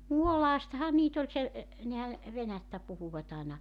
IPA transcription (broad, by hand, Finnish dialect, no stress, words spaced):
muolɑːstɑhɑ niːt olʲ se e nehæ ʋenætːæ puhuʋɑt ɑˑenɑ